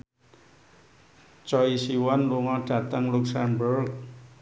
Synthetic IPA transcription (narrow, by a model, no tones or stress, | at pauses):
t͡ʃɔisiwɔnluŋɔɖ̥a̤t̪əŋluksanburk̚